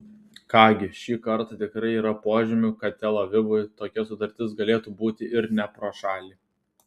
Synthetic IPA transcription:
kɑːɡʲɪʃʲiːkɐɾt̪ɑt̪ʲɪkɾɐɪiːɾɐpoːʒʲɪmʲʊkɐt̪ʲɛlˠoʋʲɪbʊjt̪oːkʲɛsʊt̪ɐɾʲt̪ʲɪsɡɐlʲeːt̪uːbuːt̪ʲɪʔɪɾnʲɛpɾoːʃɑːlʲiː

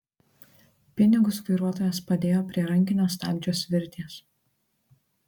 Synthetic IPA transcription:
pʲɪnʲɪɡʊsʋɐɪɾuɔt̪oːjɛspɐd̪ʲeːjoːpʲɾʲiɛɾɐŋʲkʲɪnʲoːst̪ɑ̰ːmʲd͡ʒʲoːsʋʲɪɾʲt̪ʲiːs

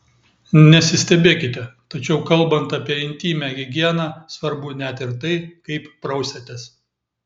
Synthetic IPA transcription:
nʲɛsʲɪsʲt̪ʲɛbʲeːkʲɪt̪ʲɛt̪ɐt͡ʃʲɛʊkɐlˠbɐnt̪ɐpʲiɛɪnʲt̪ʲiːmʲɛɡʲɪɡʲiɛnɑːsʋɐɾbʊnʲæt̪ɪɾt̪ɐɪkɐɪppɾɐʊsʲɛt̪ʲɛs

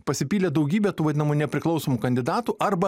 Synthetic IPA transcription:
pɐsʲɪpʲiːlʲeːd̪ɐʊɡʲiːbʲɛt̪uːʋɐd̪ʲɪnɐmunʲɛpʲɾʲɪklˠɒʊsoːmukɐnʲd̪ʲɪd̪ɑːt̪uːʔɐɾbɐ

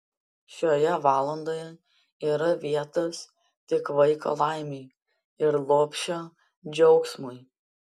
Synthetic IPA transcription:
ʃʲoːjɛʋɑːlˠɐnd̪oːjɛ | iːɾɐʋʲiɛt̪ɐs | t̪ʲɪkʋɐɪko̰ːlˠɐˑɪmʲɛɪ | ɪɾlˠoːpʲʃʲoː | d͡ʒʲɛʊksmʊj

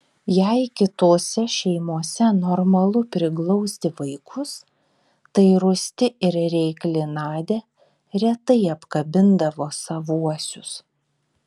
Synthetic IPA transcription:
jɛɪkʲɪt̪oːsʲɛʃʲɛɪmuɔsʲɛnɔɾmɐlˠʊpʲɾʲɪklˠɔʊsʲt̪ʲɪʋɐɪkʰʊs | t̪ɐɪɾʊsʲt̪ʲɪɪɾɾʲɛɪklʲɪnɑːd̪ʲeː | ɾʲɛt̪ɐɪɐpkɐbʲɪnd̪ɐʋoːsɐʋuɔsʲʊs

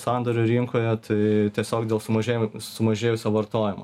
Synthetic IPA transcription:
sɑˑnd̪oɾʲʊɾʲɪŋkoːjɛt̪ɐɪt̪ʲiɛsʲoːkd̪ʲeːlˠsʊmɐʒʲeːjsʊmɐʒʲeːjʊsʲoːʋɐɾt̪oːjɪmo

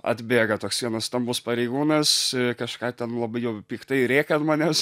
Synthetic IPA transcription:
ɐ̰d̪ʲbʲeːɡɐt̪oːksʋʲiɛnɐst̪ɐmbʊspɐɾʲɛɪɡuːnɐskɐʃkɑːt̪ʲɛnlˠɐbɐɪjɛʊpʲiːkt̪ɐɪɾʲeːkɐt̪mɐnʲɛs

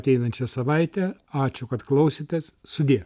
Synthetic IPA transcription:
t̪ʲɛɪnɐnʲt͡ʃʲɛsɐʋɐɪt̪ʲɛɑːt͡ʃʲʊkɐt̪klˠɐʊsʲɪt̪ʲessʊd̪ʲiɛ

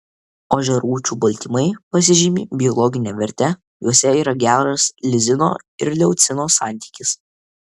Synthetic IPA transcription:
oʒʲɛɾuːt͡ʃʲuːbɐlʲt̪ʲɪmɐɪpɐsʲɪʒʲɪmʲiːbʲɪɔlˠɔɡʲɪnʲɛʋʲɛɾʲt̪ʲɛ | juɔsʲɛiːɾɐɡʲæːɾɐslʲɪzʲɪno̰ː | ɪ̰ɾlʲɛʊt̪sʲɪnoːsɑˑnʲt̪ʲiːkʲɪs

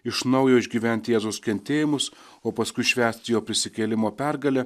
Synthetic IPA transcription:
ɪʃnɒʊjoːɪʒʲɡʲiːʋʲɛnʲt̪ʲɪjeːzɐʊskʲɛnʲt̪ʲeːjɪmʊs | oːpɐskʊɪʃʲʋʲæːsʲt̪ʲɪjoːpʲɾʲɪsʲɪkʲeːlʲɪmoːpʲæɾɡɐlʲɛ

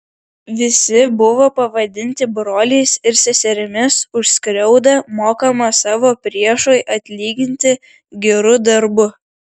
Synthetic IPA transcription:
ʋʲɪsʲɪbʊʋoːpɐʋɐd̪ʲɪnʲt̪ʲɪbɾoːlʲeːsɪɾsʲɛsʲɛɾʲɪmʲɪsʊʃʲsʲkɾʲɛʊd̪ɐmoːkɐmɐsɑːʋoːpʲɾʲiɛʃoːjʔɐt̪ʲlʲiːɡʲɪnʲt̪ʲɪ | ɡʲɛɾʊd̪ɐɾbʊ

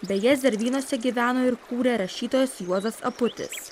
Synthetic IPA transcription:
bʲɛjɛzʲd̪ʲɛɾʲʋʲiːnoɔsʲɛɡʲiːʋʲæːnoːɪɾkuːɾʲeːɾɐʃʲiːt̪oːjɛsjuɔzɐsɐ̰pʊt̪ʲɪ̰s

